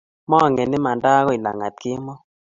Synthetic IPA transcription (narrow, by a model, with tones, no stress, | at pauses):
mɔ˦˨ŋɛ˨nɪ˦ma˨nda˦kɔ˦i˨la̰˨ŋa˨t̪̚kɪ˦mɔ˦